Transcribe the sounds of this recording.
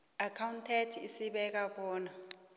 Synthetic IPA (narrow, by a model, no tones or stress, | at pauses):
akʰawuntʰɛtʰisiɓɛk̬aɓɔːna